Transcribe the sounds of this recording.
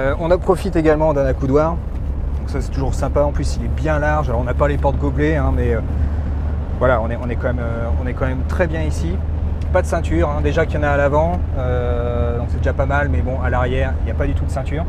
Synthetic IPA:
øɔ̃nɔpχɔfit̪eɡalmɑ̃d̪ɛ̃nakud̪waːʁ | d̪ɔ̃ksasɛ̥t̪uʒuʁsɛ̃paɑ̃plysilɛbjɛ̃laʁʒalɔʁɔ̃napalepɔʁt̪̚ɡobleɛ̃mɛø | vwalaɔ̃nɛɔ̃nɛkɑ̃mɛmø | ɔ̃nɛkɑ̃mɛmt̪χɛbjɛ̃isi | pad̪əsɛ̃t̪yʁɛ̃d̪eʒakjɑ̃naːlavɑ̃ | ø | d̪ɔ̃ksɛd̪eʒapamalmɛbɔ̃alaʁjɛʁiljapad̪yt̪ud̪əsɛ̃t̪yːʁ

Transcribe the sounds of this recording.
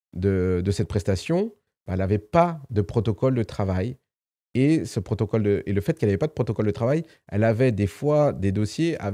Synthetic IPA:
d̪əd̪əsɛt̪̚pχɛst̪asjɔ̃ | b̥aɛlavɛpad̪əpχɔt̪ɔkɔld̪ət̪χavaj | esəpχɔt̪ɔkɔld̪əeləfɛt̪̚kɛlavɛpad̪əpχɔt̪ɔkɔld̪ət̪χavaj | ɛ̰lavɛd̪efwad̪ed̪osjea̰

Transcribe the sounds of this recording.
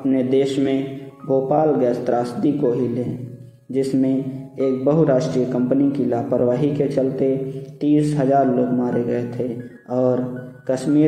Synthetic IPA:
əpned̪eːʃmẽboːpaːlɡɛːst̪ɾaːsd̪ikoɦile | d͡ʒɪsmẽeːk̚bəɦuɾaːʃʈɾijəkə̃mpnikilaːpəɾʋaːɦiket͡ʃəlt̪et̪iːsɦəzaːɾloːɡmaːɾeɡəet̪ʰe | ɔːɾkəʃmiː

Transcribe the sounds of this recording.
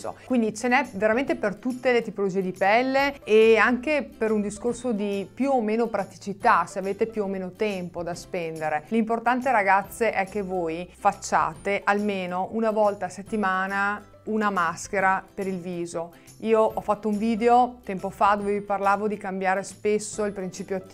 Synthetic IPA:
o̰kwind̪it͡ʃenɛveɾament̪epert̪ut̪ːelet̪ipolod͡ʒiːed̪ipɛlːeːaŋkepeɾund̪iskorsod̪ipjuomeːnopɾat̪i̥t͡ʃit̪aseaveːt̪epjuomeːnot̪ɛmpod̪aspɛnd̪eɾelimport̪ant̪eɾaɡat̪sːeʔɛk̟ːevoːjfat͡ʃːa̰ːt̪eʔalmeːnoʔunavɔlt̪aset̪ːimaːna | unamask̟eɾapeɾilviːzo | iːoʔɔfat̪ːouɱviːd̪eot̪ɛmpofad̪oːveviparlaːvod̪ikambjaːɾespesːoilpɾint͡ʃiːpjoat̪ː

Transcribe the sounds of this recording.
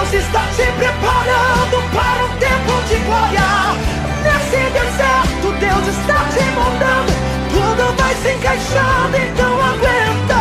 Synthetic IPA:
wsɪst̪asẽmpɾɪpaɾɐ̃d̪ʊpaɾũt̪ẽmpʊd͡ʒɪɡloɾiaɾ | nesed̪ẽsɛɾt̪ʊd̪ewzɪst̪aɾd͡ʒɪmõd̪ɐ̃d̪ʊ | t̪ud̪ʊvajsẽj̃kajʃɐd̪ʊẽnt̪ɐ̃w̃aɡwẽnt̪ɐ

